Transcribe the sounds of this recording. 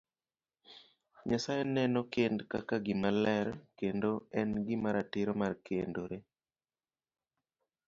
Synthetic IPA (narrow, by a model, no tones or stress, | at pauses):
ɲasajenɛnɔkendkakaɡɪmalɛɾkendoɛnɡɪmaɾatɪɾomarkendoɾe